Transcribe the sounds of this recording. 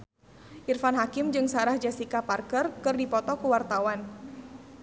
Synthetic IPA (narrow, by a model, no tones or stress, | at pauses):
ʔirfanɦakɪmd͡ʒɨŋsaɾahd͡ʒasikaparkərkɨrdipɔt̪ɔkuwart̪awan